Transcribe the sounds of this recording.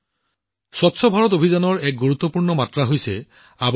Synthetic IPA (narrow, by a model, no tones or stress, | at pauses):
swɔtsʰɔbʱaɹɔtobʱizanɔɹɛk̚ɡuɹut̪ːɔpuɹnɔmatɹaɦojsɛ | ab